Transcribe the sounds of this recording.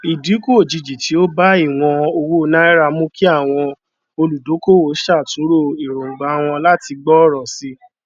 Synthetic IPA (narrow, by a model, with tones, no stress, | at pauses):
i˨di˨˦ko˦o˨d͡ʒi˧d͡ʒi˨ti˨˦o˦ba˦i˦˨w̃ɔ̃˧o˧wu˦˧˦nã˦ɛ˦ɾa˧mũ˦ki˦a˦˨w̃ɔ̃˧ | o˧lu˨do˨˦ko˦˨wo˨˦ʃa˦˨tũ˨˦ɾo˦˨i˨ɾõ˨ŋ͡m̩˨ɡ͡ba˨˧w̃ɔ̃˧la˦ti˧ɡ͡bɔ˦ɾɔ˨si˧˦